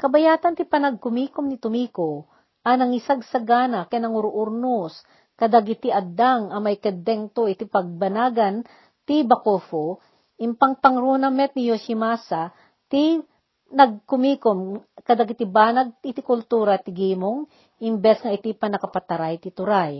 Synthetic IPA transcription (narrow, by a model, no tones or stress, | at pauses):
kɐbɐjaːt̪ɐnt̪ipɐnɐɡ̚kʊmiːkomnɪt̪ʊmiːko | ʔɐnɐŋisaɡsɐɡaːnɐkɛnɐŋʊɾʊʔʊɾnus | kɐd̪aɡɪt̪iʔɐd̪aŋɐmɐjkɛd̪ɛŋt̪oʔɪt̪ipɐɡ̚bɐnaːɡɐn | t̪ibɐkofo | ʔɪmpɐŋpɐŋɾunɐmɛt̪̚nɪjoʃimasa | t̪i | nɐɡ̚kʊmiːkomkɐd̪ɐɡɪt̪ibaːnɐɡ̚tɪt̪ikʊlt̪uːɾɐt̪ɪɡiːmoŋ | ʔɪmbɛsŋɐʔɪt̪ipɐnɐkɐpɐt̪ɐɾajt̪ɪt̪ʊɾaj